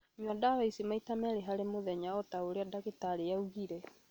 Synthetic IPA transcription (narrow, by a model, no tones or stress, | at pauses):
ɲwadaɾaisimaitamɛɾeɦaɾemoðɛɲaɔtaoɾeadaɣitaɾejauɣiɾɛ